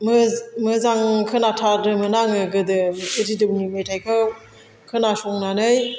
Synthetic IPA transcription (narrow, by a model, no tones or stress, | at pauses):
mɯmɯzaŋkʰɯnatʰaɾɯmɯnaŋɯɡɯdɯɯɾidɯwnimetʰajkʰɯw | kʰɯnasɔŋnanɯj